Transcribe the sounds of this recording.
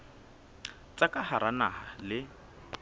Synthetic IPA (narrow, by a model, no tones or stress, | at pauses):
t͡sʼakʼahaɾanahalɪ